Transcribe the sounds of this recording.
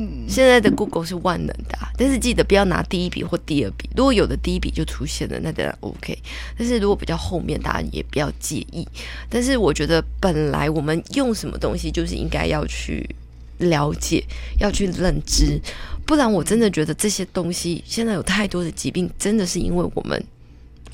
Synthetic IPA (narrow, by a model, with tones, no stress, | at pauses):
ɕjɛ˥˧nt͡sa˥˩ɪd̪ə˩ku˥˧ko˥˧ʊʂɻ̩˥˧wa˥˩nnə̰˨˥nd̪̥ə˩˨t̪a˥˧nʂɻ̩˥˧t͡ɕi˥˩d̪ə˩pu˨˩jɑ˥˩na̰˧˥t̪i˥˧i˥pḭ˨˩xwɔ˥˩t̪i˥˧ə˞˥˩pḭ˨˩ɻu˧˥kwɔ˧˥˦jo˨˩ʊd̪ə˦t̪i˥˧i˥pḭ˨˩t͡ɕjo˥˩ʊʈ͡ʂʰu˥ɕjɛ˥˩nlə̰˩na˥˩ə̰˨˩a̰˨˩ʔo̰˧˥ʊkʰḛ˥ɪt̪a˥˧nʂ̬ɻ̩˥˩ɻu˧˥kwɔ˧˩pi˨˩t͡ɕɑ˥˧ʊxo˥˧ʊmjɛ̰˥˩nt̪a̰˥˩˥jɛ̰˨˩pi˨˩t͡ɕjɑ˥˧ʊt͡ɕjɛ̰˥˧ʔi˥˩t̪a˥˧nʂ̬ɻ̩˥˩wɔ˨˩t͡ɕɥɛ˧˥d̪ə˧pə˨˩nla̰˧˥ɪwɔ˨˩mə˦njʊ˥˩ŋʂə˧˥nmə̰˧t̪ʊ̰˥ŋɕi˧t͡ɕjo˥˧ʊʂ̬ɻ̩˥˩ʔḭ˥ŋka˥ɪjɑ˥˧ʊt͡ɕʰy̰˥˩ | ljɑ˧˥ʊt͡ɕjɛ̰˨˩˦jɑ˥˧ʊt͡ɕʰy˥˧lə˥˩nʈ͡ʂɻ̩˥pu˥˩la˧˥nwɔ˨˩ʈ͡ʂə˥nd̪ə˨t͡ɕɥɛ˧˥d̪ə˧ʈ͡ʂɤ˥˩ɕjɛ˥t̪ʊ˥ŋɕi˦ɕjɛ˥˧nt͡sa˥ɪjo˨˩ʊt̪ʰa˥˩ɪt̪wɔ˥d̪ə˨t͡ɕi˧˥pi˥˩ŋʈ͡ʂə˥nd̪ə˨ʂɻ̩˥˩ḭ˥nwe˥˩ɪwɔ̰˨˩mʔə̰˨˦n